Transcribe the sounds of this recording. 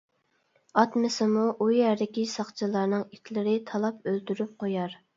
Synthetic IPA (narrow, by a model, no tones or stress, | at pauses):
ɑt̪mɪsɨmuʔujɛɾd̪ɪkʲisɑχt͡ʃʰɨlˠɑɾnɨŋit̪ʰʲlɪɾɪt̪ʰɑlˠɑp̚ølt̪yɾyp̚qʰojɑɾ